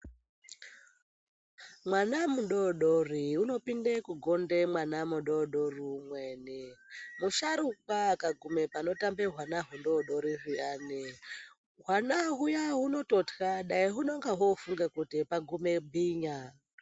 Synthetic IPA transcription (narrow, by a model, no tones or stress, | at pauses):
mwanamuɗoɗoriuno̞pindekuɡʱondemwanamuɗoɗorimwenemuʃaɾuk̚akaɡʱumepano̞tambeɦwanaɦundoɗoɾiɦujaːne | ɦwanaɦujaɦuno̞totkaɗaiɦuno̞ŋɡaɦofuŋɡakutipaɡʱumebʱiɲa